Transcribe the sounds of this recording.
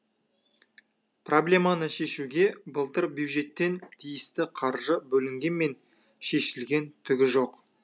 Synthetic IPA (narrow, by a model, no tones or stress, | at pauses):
pro̞blʲe̞manəʃe̞ʃuɡʲe̞bəlˠt̪əɾbjuw̪ʒe̞t̪ːe̞nt̪ʰijɪst̪ɪqʰɑɾʒəbɵlɪŋɡʲe̞nme̞n | ʃe̞ʃɪlɡʲe̞nt̪ʰʏɡʲɪʒo̞q